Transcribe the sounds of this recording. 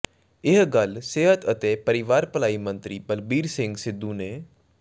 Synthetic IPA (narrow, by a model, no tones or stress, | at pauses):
ɪɦɡəlseːɦət̪ət̪epəɾɪʋaːɾpəlaːimə̃nt̪ɾiːbəlbiːɾsɪ̃ŋɡsɪd̪ːũːneː